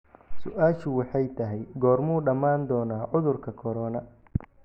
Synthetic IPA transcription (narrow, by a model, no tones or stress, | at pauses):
sʊʔaːʃʊwɑħɑjt̪ʰɐɦɛjɡɔːrmuːɖɐmaːnd̪ɔːnaːʕʊðʊrkʰɐkʰɔɾɔːnɐ